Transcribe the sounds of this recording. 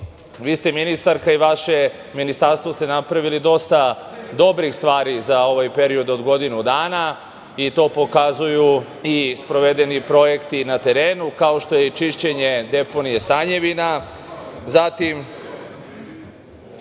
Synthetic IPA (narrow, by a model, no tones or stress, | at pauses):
ʋiːst̪e̞minist̪aɾkaiʋaʃe̞ | minist̪aɾst̪ʋo̞st̪e̞napɾaʋilid̪o̞st̪a | d̪o̞bɾixst̪ʋaːɾizao̞ʋajpe̞ɾio̞d̪o̞d̪ɡo̞d̪inud̪aːna | it̪o̞ːpo̞kazuju | ispɾo̞ʋe̞d̪e̞nipɾo̞je̞kt̪inat̪e̞ɾe̞ːnukao̞ʃt̪o̞je̞t͡ʃiʃt͡ɕe̞ɲe̞d̪e̞po̞nije̞st̪aɲe̞ʋina | zat̪im